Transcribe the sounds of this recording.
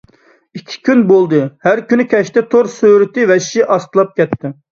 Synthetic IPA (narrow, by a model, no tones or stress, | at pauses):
ikʲʰːi̥kʲynbolˠd̪ɨhæɾkʲynykʲʰɛʃt̪ɛt̪ʰoɾsøɾɪt̪ɪvɛʃʃiʔɑst̪ɨlˠɑp̚kʲʰɛt̪ʰːɪ